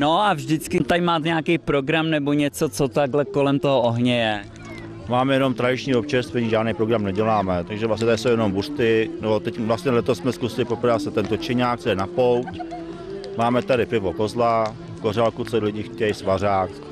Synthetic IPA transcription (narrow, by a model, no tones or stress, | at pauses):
noʔavʒdɪt͡skɪt̪ajmaːt̪ɲɛakejpɾoɡɾamnɛboɲɛt͡sot͡sot̪aɡlɛkolɛmt̪oɦoʔoɦɲɛjɛ | maːmɛjɛno̞mt̪ɾadɪt͡ʃɲiːopt͡ʃɛst̪fɛɲiʒaːdnejpɾoɡɾamnɛɟɛlaːmɛt̪aɡʒɛvlas̬ɲɛt̪adɪsowjɛnomburt̪ɪnɛbot̪ɛcvlast̪ɲɛlɛt̪ossmɛskusɪlɪpopɾasɛt̪ɛnt̪ot͡ʃɪɲaːk̚t͡sojɛnapowt̪ | maːmɛt̪adɪpɪvokozla | fkoralkut͡solɪɟɪxcɛjsvaraːk